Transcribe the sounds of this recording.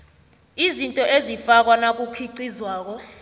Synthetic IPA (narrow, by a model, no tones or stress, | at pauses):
izintʼɔʔezifak̬wanak̬ukʰiǀizwaːk̬ɔ